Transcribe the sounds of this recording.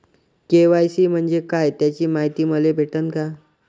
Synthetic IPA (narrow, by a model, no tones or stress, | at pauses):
keʋajsiːm̤əɳd͡ʑekajt̪jat͡ɕiːmaɦit̪iːməlebʱeʈənka